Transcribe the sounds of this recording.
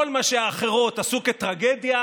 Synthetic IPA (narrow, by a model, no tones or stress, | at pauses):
olmaʃeaːχe̞ʁo̞t̪asuket̪ʁaɡed̪ja